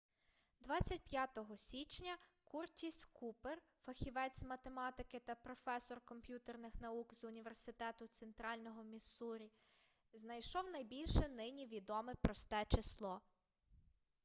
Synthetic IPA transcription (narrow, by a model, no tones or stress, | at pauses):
d̪ʋɑt͡sʲːɐt̚ʲpʲjat̪ɔɦɔsʲit͡ʃnʲɐkurtʲiskʰuper | fɐxʲiʋɛt͡sʲmɐt̪emɑt̪ɪkɪt̪ɐpɾɔfɛsɔrkɔmpʲjut̪ernɪxnɐukzʊnʲiʋersɪt̪ɛt̪ʊt̪sent̪ɾɑlʲnɔɦɔmʲisuɾʲi | znɐjʃɔwnɐjbʲilʲʃɛnɪnʲiʋʲid̪ɔmɛpɾɔst̪ɛt͡ʃɪslˠɔ